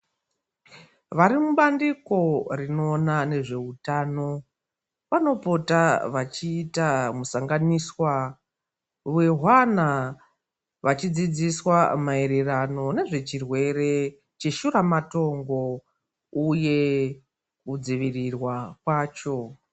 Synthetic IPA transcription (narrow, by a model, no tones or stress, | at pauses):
ʋaɾimuɓandiko̞rino̞ːnane̞ʐe̞utaːno̞ | ʋano̞po̞taʋat͡ʃiːtamusaŋɡaniswa | ʋe̞ɦwana | ʋat͡ʃid͡zid͡ziswamaeɾerano̞ne̞ʐe̞t͡ʃirwe̞ɾe̞ | t͡ʃe̞ʃuɾamato̞ŋɡo̞ | uje̞ | kud͡ziʋirirwakwaːt͡ʃo̞